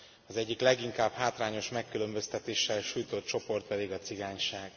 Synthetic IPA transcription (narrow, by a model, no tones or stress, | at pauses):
ɒzɛɟːiklɛɡiŋkaːbhaːt̪raːɲo̞ʃmɛkːylø̞mbø̞st̪ɛt̪eːʃːɛlʃuːjt̪o̞t̪̚t͡ʃo̞po̞rt̪̚pɛd̪iɡɒt̪siɡaːɲʃaːɡ̥